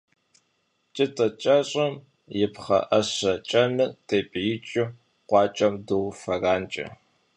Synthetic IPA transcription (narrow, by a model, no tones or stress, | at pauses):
t͡ʃʼɪtʼɐt͡ʃʼɐɕʼɐm | jɪpχɐ̰ʔɐɕɐt͡ʃʼɐnɨtʰeːpʼjɪt͡ʃʼɪ | qʷɑːt͡ʃʼɐmduwfɐraːnt͡ʃʼɐ̰